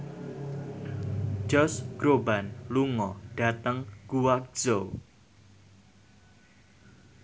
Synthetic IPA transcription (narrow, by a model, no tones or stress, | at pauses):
d͡ʒɔsɡ̥ɾobanluŋɔɖ̥a̤t̪əŋɡ̥uwak̚z̥o